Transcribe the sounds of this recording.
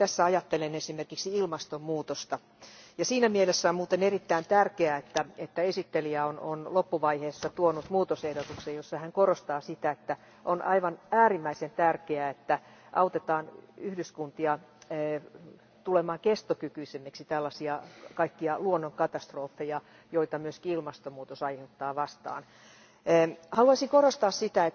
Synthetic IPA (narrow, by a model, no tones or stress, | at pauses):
t̪æsːæɑjɑt̪ːelenesimerkiksiilmɑst̪ommuːt̪ost̪ɑ | jɑsiːnæmielesːæommuːt̪enerit̪ːæint̪ærkeæet̪ːæet̪ːæesit̪ːeliæono̰nlopːuʋɑiheːsːɑt̪uonut̪muːt̪osehdot̪uksejjosːɑhæŋkorost̪ɑːsit̪æet̪ːæ | ʔonʔɑiʋɑnæːrimːæisent̪ærkeæet̪ːæ | ʔɑut̪et̪ɑːnyhdyskunt̪iɑ | t̪ulemɑːkest̪okykyisemːeksit̪ælːɑsiɑkɑikːiɑluonːoŋkɑt̪ɑst̪roːfːejɑ | joit̪ɑmyøskiilmɑst̪omuːt̪osɑiheut̪ːɑːʋɑst̪ɑ̰ːnː | hɑluɑsiŋkorost̪ɑːssit̪æet̪ː